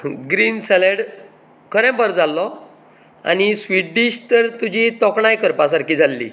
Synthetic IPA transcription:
ɡɾiːnsɛleɽ | kʰəɾɛ̃mpəɾd͡zalːɔ | a̰nisʋiʈɖiɕt̪əɾt̪ud͡ʑʱit̪ɔkɳajkəɾpasaɾkiːd͡zʱalːḭː

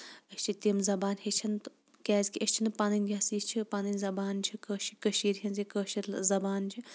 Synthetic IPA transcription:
ɐst͡ʃʰit̪imzɐbaːnhet͡ʃʰɐnt̪ | kʲɛːzʲkiʔɐsʲt͡ʃʰinpanɐnʲɡʲɐsiːt͡ʃʰipanɐnʲzɐbaːnt͡ʃʰikəʃikəʃiːɾɦɐnzikəːʃiɾlzɐbaːnt͡ʃʰi

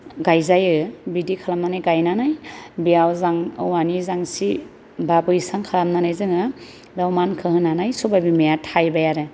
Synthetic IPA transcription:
ɡajzajɯbidikʰalamnanajɡajnanajbijawzaŋɯwanizaŋsi | babɯjsaŋkʰalamnanajzɯŋɯ | dawmankʰɯhɯnanajsubabimejatʰajbajaɾɯ

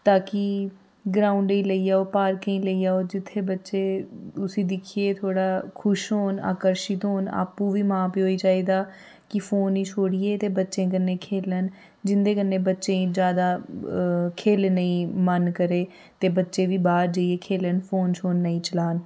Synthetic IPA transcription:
t̪aːki | ɡɾãːʊɳɖiːləiːaːoːpaːɾkəĩːləiːaːoːd͡ʒɪt̪ʰːeːbətːʃeːʊsĩːd̪ɪkʰijeːt̪ʰoːɽaːkʰʊʃɦoːna̰ːkəɾʃɪt̪ɦoːna̰ːpːũːʋiːmãːpiːɦoːiːt͡ʃaːiːd̪aː | kɪpʰoːnĩːt͡ʃʰoːɽiːeːt̪eːbətːʃẽːk̬ənːẽːkʰeːlən | d͡ʒɪnd̪eːkənːẽːbətːʃẽːĩd͡ʒjaːd̪aː | kʰeːlnəĩːmənkəɾeː | t̪eːbətːʃeːʋiːbaːɾd͡ʒəieːkʰeːlənpʰoːnt͡ʃʰoːnːəĩːt͡ʃəlaːn

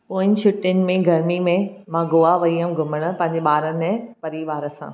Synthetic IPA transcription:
poːɪ̃ɲt͡ɕʰʊʈːɪnɪ̆mẽɡʱɐɾmimẽmãːɡoːaʋɐiəm̆ɡʱʊməɽ̃ʊ̆pɐ̃ɦɪ̃ɲd͡ʑeɓaːɾənɪ̃pɐɾiːʋaːɾə̆sã̰ː

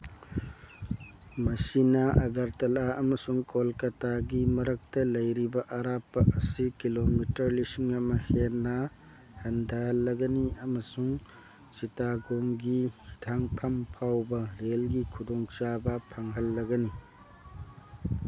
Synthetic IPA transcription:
mɐsinɐʔɐɡɐɾtɐlaɐmɐsuŋkolkɐtaɡimɐɾɐk̚tɐlɐjɾibɐʔɐɾapːɐʔɐsikilomitɐɾlisiŋɐmɐhenːɐ | hɐndʰʱɐhɐlːɐɡɐniɐmɐsuŋ | t͡ʃitaɡoŋɡihitʰaŋpʰɐmpʰawbɐɾelɡikʰudɔŋt͡ʃabɐpʰaŋɦɐlːɐɡɐni

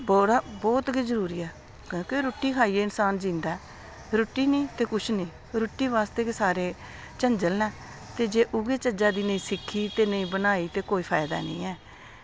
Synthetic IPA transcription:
bɔːɾaːbɔːt̪ɡiːzəɾuːɾiːɛː | kːkeɾoːʈːiːkʰaːiːeːɪnsaːnd͡ʒĩːnd̪aɛ | ɾoʈːiːnĩːt̪eːkʊt͡ʃʰnĩː | ɾʊʈːiːʋaːst̪eːkːsaːɾeː | t͡ʃəɲd͡ʒəlnɛː | t̪eːd͡ʒeːʔʊɡeːt͡ʃəd͡ʒaːd̪iːnəĩːsɪkʰːiːt̪eːnəĩːbənaːiːt̪eːkoːiːpʰaːɪd̪a̰ːnḭ̃ːɛː

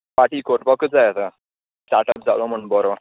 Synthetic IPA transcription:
paʈiːkoɾpɔkəd͡zajat̪a | sʈaɾʈəp̚d͡zalɔm̤əɳbɔɾo

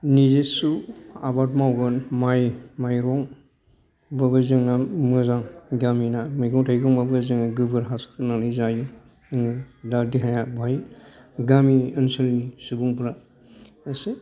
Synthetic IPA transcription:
nizesua̰bat̚mawɡɯnmajmajɾɔŋ | babɯzɯŋnamɯzaŋɡaminamɯjɡɔŋtʰajɡɔŋmabɯzɯŋnaɡɯbɯɾɦaskʰɯnanɯzajɯ | ɯŋɯdadiɦajabʱaj | ɡamiɯnsɯlnisubuŋpʰɯla | əse

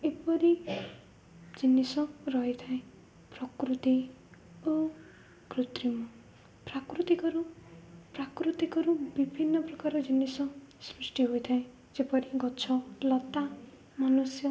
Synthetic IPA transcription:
epɔɾi | d͡ʒinːisɔɾɔɦet̪ʰaẽ | pɾɔkɾut̪i | o | kɾut̪ɾimɔ | pɾakɾut̪ikɔɾupɾakɾut̪ikɔɾubibʱinːɔpɾɔkaɾɔd͡ʒinːisɔsɾusʈiɦojt̪ʰaẽ | d͡ʒepɔɾiɡɔt͡ʃʰɔlɔt̪a | manusjɔ

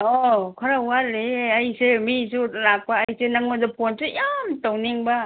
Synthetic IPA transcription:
ɔkʰaɾawaleajsemisunak̚paːjsenaŋozapʰɔnsejamtawniŋba

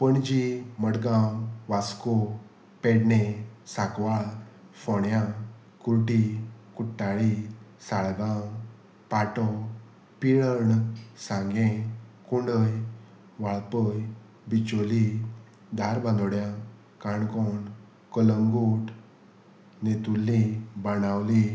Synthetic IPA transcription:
pəɳd͡ʑiməɽɡãʋaskɔ | peɽnesakʋaɭ | fɔɳjã | kuɾʈikuʈːaɭisaɭɡã | paʈɔ | piɭəɳsãŋɡẽkuɳɖəj | ʋaɭpəj | bit͡ɕoli | d̪aɾbʱãnd̪ɔɽjã | kaɳkɔɳ | kələŋɡuʈ | net̪ulːibanawli

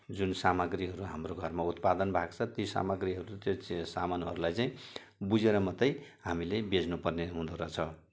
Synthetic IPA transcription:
d͡zunsamʌɡriɦʌɾuɦamroɡʱʌrmaut̪̚pad̪ʌnbʱaɡt͡sʰʌt̪isa̰mʌɡriɦʌɾut̪josamanɦʌɾulajt͡saĩ | bud͡zeɾʌmʌt̪ʌjɦamilebed͡znupʌrneɦũd̪oɾʌt͡sʰʌ

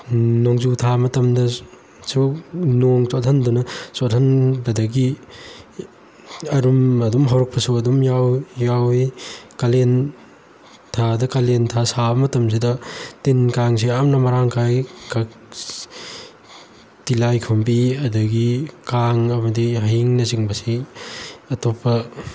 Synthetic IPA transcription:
nɔŋzutʰamɐtɐmdɐ | sunɔŋt͡ʃatʰandunɐsotʰɐnbɐdɐɡi | ɐɾumɐdumɦawɾɔk̚pʰɐsuɐdumjawjawikalen | tʰadɐkalentʰasabɐmɐtɐms̬idɐtinkaŋs̬iamnɐmɐɾaŋkʰajka | tilajkʰɐmpiɐdɐɡikaŋɐmɐdiɦaɦiŋnɐziŋbɐsi | ɐtopɐ

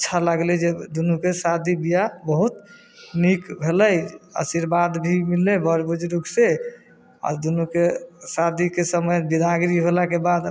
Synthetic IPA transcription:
ətːʃʰaləɡled͡ʒed̪unukesad̪ʱibijabəɦut̪ | nikbʱeləjə̰siɾbad̪bʱimilːebəɾbud͡ʒɾuɡse | a̰ɾd̪unukesad̪ʱikesəməjbid̪ʱaɡɾiɦolakebad̪

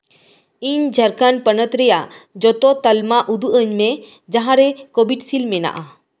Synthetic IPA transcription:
iɲd͡ʒʱəɾkanpənət̪ɾɛjad͡ʒɔt̪ɔt̪əlmaʔud̪uʔəɲme | d͡ʒaɦãɾɛkobiʈsilmena̰ʔa

